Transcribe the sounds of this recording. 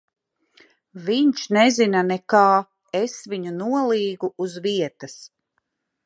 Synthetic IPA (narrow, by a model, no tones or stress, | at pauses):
viɲʃnɛzinanekaː | esviɲunuɔlˠiːɡuːzviɛt̪as